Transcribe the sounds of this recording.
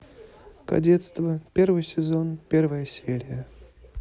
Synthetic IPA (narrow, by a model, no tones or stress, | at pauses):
kɐ̰dʲet̪st̪vəpʲervɨjsʲɪzonpʲervəjəsʲeɾʲɪjə